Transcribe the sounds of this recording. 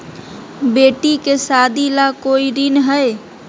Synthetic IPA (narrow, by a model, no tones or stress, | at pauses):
beʈikesad̪ilakoiɾinɦəj